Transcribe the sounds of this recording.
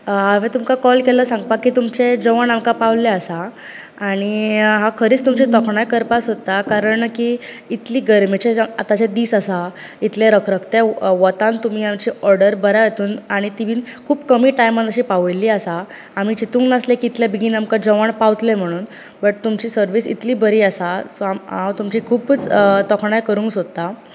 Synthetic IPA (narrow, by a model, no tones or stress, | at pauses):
aʋẽt̪umkakɔlkeləsãŋɡpakiːt̪umt͡ɕed͡zəʋaɳamkapaʋleəsaː | ɽ̃iɦãkʰəɾiːt͡st̪umt͡ɕit̪ɔkʰɳajkəɾpasɦot̪akaɾəɳkiː | it̪liːɡəɾmit͡ɕeat̪at͡ɕed̪iːsasa | it̪leɾəkʰɾəkʰt̪eʋət̪ãnt̪um̤iːamt͡ɕiːɔɾɽəɾbəɾajet̪uːnaɽ̃it̪iʋiːnkʰuːpkəmiːʈajmãd̪əɕiːpaʋəjlːiːasaː | miːt͡ɕit̪ũːŋɡnaslekiːt̪ljabiɡiːnamkad͡ʑəʋaɳpawt̪lem̤əɽ̃uːn | bəʈ̚t̪umt͡ɕiːsəɾʋiːsḭt̪liːbəɾiːəsasoamɦãwt̪umt͡ɕikʰuːpt͡st̪ɔkʰɳ̃ajkəɾũːŋksod̪t̪a